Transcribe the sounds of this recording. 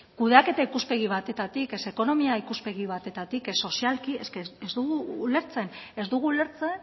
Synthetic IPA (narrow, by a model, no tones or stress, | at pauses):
kuðeake̞t̪aikuspe̞ɣ̞iβ̞at̪e̞t̪at̪ike̞se̞ko̞no̞miaikuspe̞ɣ̞iβ̞at̪e̞t̪at̪ikesːo̞sialkie̞skeezd̪uɣuːle̞ɾt͡se̞ne̞zd̪uɣ̞uule̞ɾt͡se̞n